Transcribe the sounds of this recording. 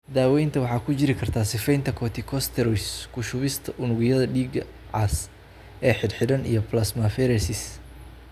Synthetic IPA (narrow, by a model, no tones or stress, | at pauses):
d̪aːwɛjnt̪ʰɐwɑħɑːkʰʊt͡ʃɪɾɪkʰɐrt̪ʰaːsɪfɛjnt̪ʰɐkʰɔːt̪ʰɪkʰɔst̪ʰɛɾɔskʰʊʃʊβɪst̪ʰɐʔʊnʊɣɪjɐðɐɖiːɡɐ | ʕɑs | ʔɛːħɪd̪ħɪdɐnḭjɞplɐsmɐfɛɾɛsɪs